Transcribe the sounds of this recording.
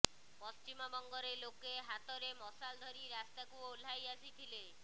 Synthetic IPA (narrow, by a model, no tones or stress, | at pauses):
pɔst͡ʃimɔbɔŋɡɔɾelokeɦat̪ɔɾemɔsald̪ʱɔɾiɾast̪akuul̤ajasit̪ʰile